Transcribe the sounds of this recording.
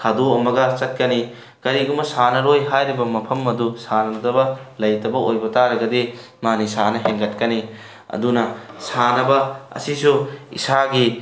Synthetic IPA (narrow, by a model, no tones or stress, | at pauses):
kʰadoɐmɐɡɐt͡ʃɐt̚kɐni | kɐɾiɡumɐsanɐɾojɦajɾibɐmɐpʰɐmɐdusanɐdɐbɐlɐjtɐbɐojbɐtaɾɐɡɐdi | manisanɐɦeŋɡɐt̚kɐni | ɐ̰dunɐsanɐbɐɐ̰sisuḭsaɡi